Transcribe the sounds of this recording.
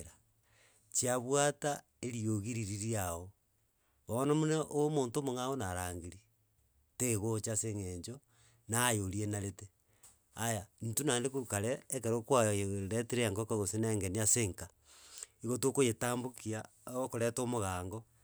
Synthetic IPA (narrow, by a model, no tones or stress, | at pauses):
ɾa | t͡ʃiaβwata | eɾijoɣiɾiɾiɾiao | βanamuneʔomoːntomoŋaɣonaɾaːŋɡiɾi | teɣot͡ʃaseŋeɲd͡ʒo | najoɾienaɾete | ajan̩tunandekuukaɾeːkeɾokwajɾetiɾeaŋkokoɣosineŋɡeniaseŋka | iɣotokojetaːmbokia | ɣokoɾetomoɣaːŋɡo